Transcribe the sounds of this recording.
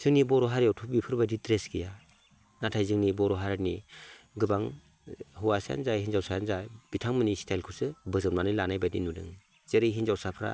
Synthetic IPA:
z̥ɯŋnibɔɾɔɦaɾiawtʰup̚bipʰɯɾbaditɾeskija | natʰajzɯŋnibɔɾɔɦaɾniɡɯbaŋ | hɯwasaja̰nzajhinzawsajanzab̥itʰaŋmɯnistʰajlkʰusɯbɯzɯnmanɯlanajbadḭnudɯ̰ŋ | z̥eɾijɦinzawsapʰɾa̰

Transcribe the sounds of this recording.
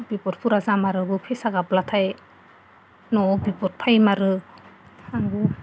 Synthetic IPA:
bipɔt̚pʰuɾazamaɾɯbɯpʰesaɡablatʰaj | nɔbipɔt̚pʰajmaɾɯ | aŋɡu

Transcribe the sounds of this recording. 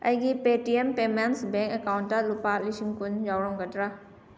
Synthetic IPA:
ɐ̰jɡipetiempemensbeŋkekawnːɐlupalisiŋkund͡ʒawɾɔŋɡɐdɾa

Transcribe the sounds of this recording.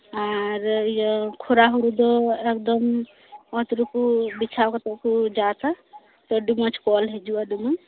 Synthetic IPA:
aɾjkʰoɾaɦuɾud̪ɔekd̪ɔm | ɔt̪ɾukubit͡ʃʰawkat̪ɔkud͡ʒat̪a | t̪ɔɖumɔt͡ʃʰkɔlɦed͡ʒuaɖumɔ

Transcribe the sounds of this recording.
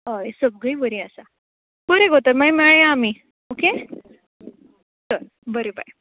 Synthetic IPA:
əjsəb̚ɡəibəɾiasa | bəɾeɡʱot̪əɾmajmɛɭjaami | oke | səɾ | bəɾeba̰j

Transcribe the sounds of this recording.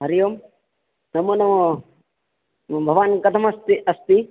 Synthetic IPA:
ɦɐɾijoːm | nɐmɐnɐmɐ | bʱɐʋaːnkɐt̪ʰɐmɐst̪iʔɐst̪i

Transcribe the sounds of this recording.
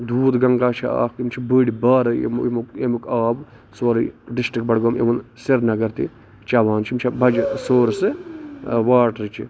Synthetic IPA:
d̪uːd̪ɡɐŋɡaːt͡ʃʰia̰ːkkimt͡ʃʰibəːɽibaːɾɐḛmmukemukaːb | soːɾɨɖisʈɾik̚bɐɽɡɐmḛʋɐnsiɾnɐɡɐɾt̪ḭ | t͡ʃaːʋaːnt͡ʃʰimt͡ʃʰibɐd͡ʒsoːɾsɨ | ʋaːʈɾɨt͡ʃʰḭ

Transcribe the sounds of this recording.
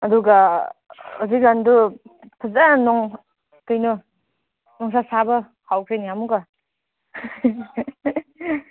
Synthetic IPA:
ɐduɡa | uzikɡandu | pʰɯzanɔŋ | kɯjnɔ | nɔŋsasabɐ | hawkʰɾɯjnijamuɡa

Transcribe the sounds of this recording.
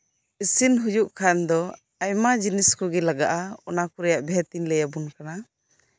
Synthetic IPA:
isinɦujuʔkʰand̪ɔ | ajmad͡ʒiniskɔɡɛlaɡaʔaɔnakuɾɛjaʔbɛɦɛt̪inlɛjabunkana

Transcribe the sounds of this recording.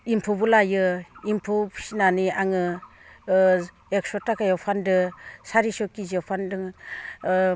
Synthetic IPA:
impʰubulajɯimpʰusinaniaŋɯ | ek̚sɔtakajɔpʰandɯsaɾisɔkizɔpʰandɯŋ

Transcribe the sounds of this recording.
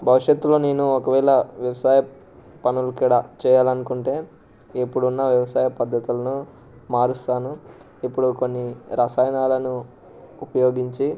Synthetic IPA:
bʱɐʋuʂjet̪ːulo̞ːne̞ːnuɔkɐʋɛːlɐʋjɐʋɐsaːjɐ | pɐnulukiːɽɐt͡ʃɛːjaːlɐnukuɳʈe̞ː | epːuɽunːɐʋjɐʋɐsaːjɐpɐd̪ːɐt̪ulɐnu | maːɾust̪aːnu | epːuɽuko̞nːiɾaːsaːjɐnaːlɐnu | upɐjo̞ːɡiɲt͡ʃi

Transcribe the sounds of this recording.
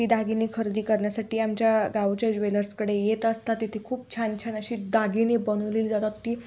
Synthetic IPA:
iːd̪aɡinekʰəɾd̪iːkəɾɳjasaʈiːamt͡ɕjaɡawt͡ɕad͡ʑʋeləɾskəɽejet̪əst̪at̪it̪ʰekʰuːp̚t͡ɕʰant͡ɕʰanəɕiːd̪aɡinebənuliːld͡zat̪at̪t̪ːiː

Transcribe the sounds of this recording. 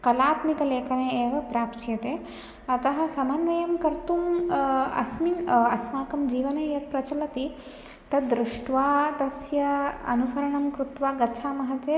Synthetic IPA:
kɐlaːt̪mikɐleːkɐneːeːʋɐpɾaːpsjɐt̪eː | ɐt̪ɐɦɐ̆sɐmɐnʋɐjɐmkɐɾt̪um | ɐ̰sminɐsnaːkɐmd͡ʒiːʋɐneːjɐt̪̚pɾɐt͡ʃɐlɐt̪i | t̪ɐd̪ɾuʂʈʋaːd̪ɐsjɐɐ̰nusɐɾɐɳɐmkɾut̪ʋaːɡɐt͡ʃʰaːmɐɦɐt̪eː

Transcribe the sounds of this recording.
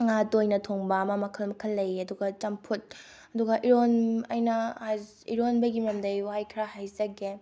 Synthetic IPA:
ŋatojnɐtʰoŋbɐɐmɐmɐkʰɐlmɐkʰɐlːɐjɐduɡɐt͡ʃɐmpʰut̚ | ɐduɡɐʔiɾonajnɐ | ḭɾonbɐɡimɐmdɐjwajkʰɾahajzɐɡe

